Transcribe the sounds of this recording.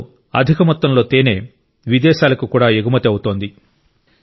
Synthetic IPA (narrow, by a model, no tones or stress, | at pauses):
ɐ̰d̪ʱikɐmɐt̪ːɐmlo̞ːt̪eːne̞ː | ʋid̪ɛːʃaːlɐkukuːɽaːeɡumɐt̪ɐwut̪o̞ːnd̪i